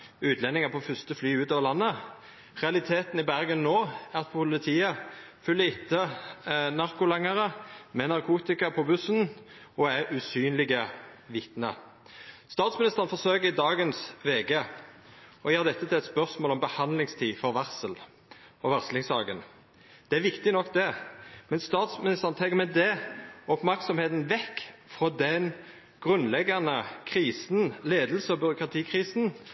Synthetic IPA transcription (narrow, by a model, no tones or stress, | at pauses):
ʉːt̪ʰlɛnːɪŋəpʰofʏst̪əflyːʉːt̪oːʋəʁlɑnːə | ʁɛɑlɪt̪ʰeːt̪n̩ɪbæʁɡənːoːæʁt̪pʰpʰʊlɪt̪ʰiːəfʉlːəɪt̪ʰːə | nɑʁkʊlɑŋəʁəmɛnɑʁkʰuːt̪ɪkɑpʰɔbʉsnɔæʁʉsyːnlɪɡəʋɪt̪nə̰ | st̪ɑːt̪smɪnɪst̪əʁənfɔʁsøːkəʁɪd̪ɑːɡənsʋeːɡe | ɔjeːʁd̪ɛt̪ːət̪ɪlɛt̪spœʁsmoːlɔmbəhɑnd̪lɪŋst̪ʰiːfɔʁʋɑʁsəl | ɔʋɑʁslɪŋsɑːɡən | d̪̥ɛæʋɪkt̪ɪnɔkːd̪ɛmɛnst̪ɑːt̪smɪnɪst̪əʁənt̪ʰɛŋkːəmɛd̪ɛɔpmæʁksɔmheːt̪n̩ʋɛkːfʁoːd̪ɛn | ɡ̥ʁʉnlɛɡːɑnəkʰʁiːsn̩leːd̪lsəɔbʏɾʊkʁɑt̪ʰiːkʰʁiːsn̩